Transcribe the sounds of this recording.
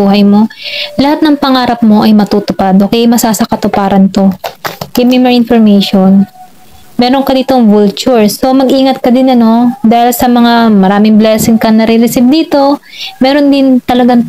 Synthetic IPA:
uːɦɐjmo̞lɐhat̪̚nɐŋpɐŋaːɾɐp̚mo̞ʔɐjmɐt̪uːt̪ʊpad̪̚ʔoːkɛjɐjmɐsaːsɐkɐt̪opaːɾɐnt̪o̞kɪmɪmɛɹɪnfoɹmejʃo̞n | mɛːɾo̞nkɐd̪iːt̪o̞ŋvult͡ʃʊɹso̞mɐɡʔiːŋɐt̪̚kɐd̪ɪnɐno̞d̪aːhɪlsɐmɐŋamɐɾaːmɪŋblɛsɪŋkɐŋnɐɾiɾɪsɪb̚d̪iːt̪o̞mɛːɾo̞nd̪ɪnt̪ɐlɐɡaŋ

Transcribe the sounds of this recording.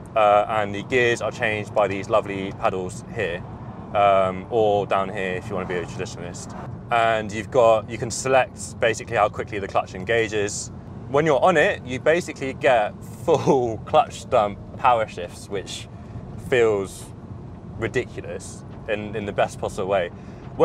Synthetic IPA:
ʌə̃nðəɡɪəzət͡ʃʰẽɪ̃nd͡ʒ̚baɪðizlʌvlipʰaɾəl̩ˠz̥hɪəɹ | ʌ̃mədãʊ̃nɦɪəɹɪfjəwɒ̃nəbiətʰɹ̥ədɪʃənəl̩ɪst | ə̃njʉvɡɒʔjəkʰə̃nsɪlɛk̚tb̥eɪsɪklihaʊkʰw̥ɪkʰliðəkʰl̥ʌ̰t͡ʃɛ̃nɡeɪd͡ʒɪz̥ | wə̃njəɹʔə̃nɪʔjəbeɪsɪkʰliɡɛt | fʊllˠkʰl̥ʌt͡ʃstʌ̃m | pʰaʊəʃɪfswɪt͡ʃ | fiːlˠz̥ | ɹɪdɪkʰjl̩əs | ɪ̃nɪ̃nðəbɛspʰɒsəbəlˠweɪ | wə

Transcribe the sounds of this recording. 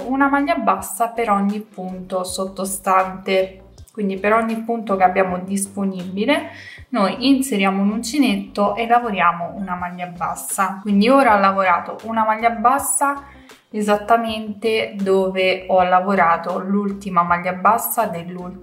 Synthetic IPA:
unamaʎːabːasːapeɾɔɲːipːunt̪osot̪ːost̪ant̪e | kwind̪ipeɾɔɲːipːunt̪okeabːjaːmod̪isponibilenojinseɾjaːmoinunt͡ʃinet̪ːoʔelːavoɾjaːmounamaʎːabːa̰sːakwind̪ioːɾaɔlːavoɾaːt̪oʔunamaʎːabːasːa | ezat̪ːament̪ed̪oːveɔlːavoɾaːt̪olult̪imamaʎːabːasːad̪elːul

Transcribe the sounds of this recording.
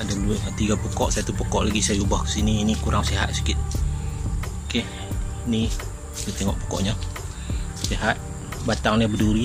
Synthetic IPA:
adabuɲat̪iɡapokɔʔsat̪upəkɔʔlaɡisajaubahkə̥siniːnikuɾaŋseɦa̰t̪̚si̥kɪt̪̚ | keh | ni | ɡit̪eŋɔʔpo̥kɔ̰ʔɲa | seɦat̪̚ | bat̪aŋɲabəduɾi

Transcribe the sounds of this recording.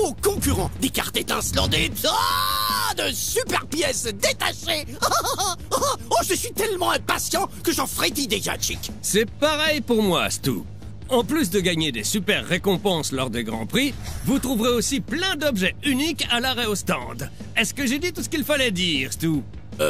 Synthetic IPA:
okɔ̃kʲyʁɑ̃d̪eka̰ʁt̪et̪ɛ̃slɑ̃d̪et̪a | d̪əsypɛʁpjɛsd̪et̪aʃe | oʒəsɥit̪ɛlmɑ̃ɛ̃pasjɑ̃kəʒɑ̃fʁet̪id̪eʒa̰t͡ʃiksɛpaʁɛjpuʁmwa̰st̪ṵ | ɑ̃plys̬d̪əɡaɲed̪esypɛʁːekɔ̃pɑ̃slɔʁd̪eɡʁɑ̰̃pχivut̪χuvʁeosiplɛ̃d̪ɔbʒɛynikalaʁɛost̪ɑ̰̃d̪ | ɛskəʒed̪it̪usə̥kʲilfalɛd̪iʁst̪u

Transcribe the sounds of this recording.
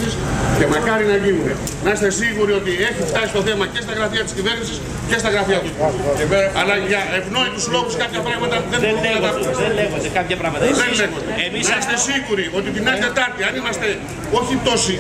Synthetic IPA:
siskemɐkɐɾinɐɣiune | nɐst̪esiɣuɾiot̪ieçift̪ɐzist̪oθemɐcest̪ɐɣɾɐθiɐt̪i̥sciveɾnisis | cest̪ɐɣɾɐfiɐt̪u | ɐlɐʝɐevnoit̪uzloɣuskapʝɐpɾaɣmɐt̪ɐðennkɐt̪ɐpsɐeeɣod̪ekapçɐpɾaɣmɐt̪ɐðenleɣoeeminɐst̪esiɣuɾiot̪ifinɐliðet̪ɐɾt̪iɐnimɐst̪e | oçit̪osi

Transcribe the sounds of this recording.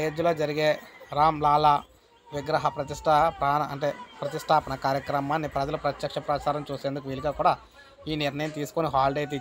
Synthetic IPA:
jeːd͡ʒulo̞ːd͡ʒɐɾiɡeːɾaːmlaːla | ʋiɡɾɐɦɐpɾɐt̪iʂʈʰɐpɾaːnɐɐɳʈeːpɾɐt̪isʈʰaːpɐnɐkaːɾjɐkɾɐmaːnːipɾɐd͡ʒɐlupɾɐt̪jɐkʂɐpɾɐt͡ʃaːɾɐmt͡ʃuːseːnd̪ukuʋiːliɡaːkuːɽaː | iːniɾnɐjɐmt̪iːsu̥koniɦaːlɖejt̪i

